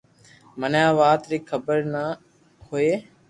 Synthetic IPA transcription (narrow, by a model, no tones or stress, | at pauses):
mənjãːʋaːt̪ɾiːkʰəbəɾnə | hoeː